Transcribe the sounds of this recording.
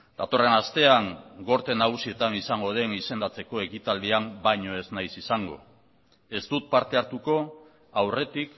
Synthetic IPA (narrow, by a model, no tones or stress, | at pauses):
d̪̥at̪o̞re̞nast̪e̞aŋɡo̞ɾt̪e̞naɣ̞usie̞t̪anisaŋɡo̞ð̞e̞nise̞nd̪at͡se̞ko̞e̞kit̪ald̪iambajɲo̞e̞znajsisaŋɡo̞̰ | e̞st̪ut̪̚paɾt̪e̞aɾt̪uko̞ | awre̞t̪ik